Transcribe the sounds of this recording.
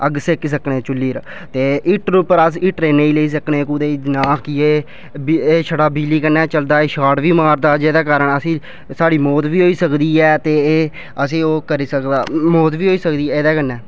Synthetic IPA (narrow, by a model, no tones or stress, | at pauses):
əɡsekis̬əkɳeːt͡ʃʊlːiːɾ | t̪eːʔɪʈɾupəɾəsɪʈɾeːneiːləiːs̬əkɳeːkuːd̪eːid͡ʒnaːkieː | beːʃʰəɽaːbiːliːkənːɛːt͡ʃəld̪aːeːʃaːɽʋiːmaːɾd̪aːd͡ʒeːd̪aːkaːɾəɳəsĩː | saːɽiːmoːt̪ʋiːɦoːiːsəkd̪iːɛːt̪eː | əs̬ĩːoːkəɾiːsəkd̪aːmoːt̪ʋiːɦoːiːsəkd̪iːɛːeːd̪aːkənːɛː